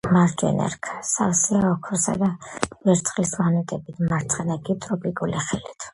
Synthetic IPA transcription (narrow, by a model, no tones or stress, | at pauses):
maɾd͡ʒɛ̰nɛ̰ɾkʰsavsiaɔkʰɔɾsa̰d̪avɛɾt̪sʰχlismanɛt̪ʼɛbit̪ʰmaɾt̪sʰχɛnaɡit̪ʼɾɔpʼikʼuliχɛlit̪ʰ